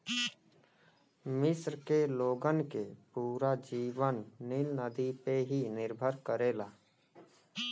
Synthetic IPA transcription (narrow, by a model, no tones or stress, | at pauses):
mɪsɾkeloːɡənkepuːɾad͡ʒiːʋənːɪlnəd̪ipeɦinɪɾbʱəɾkəɾeːlaː